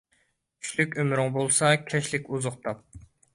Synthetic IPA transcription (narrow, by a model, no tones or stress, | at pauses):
t͡ʃʰy̥ʃlykʲømɾɪŋbolˠsɑkʲʰɛʃlɪkʲuzʊχt̪ʰɑp̚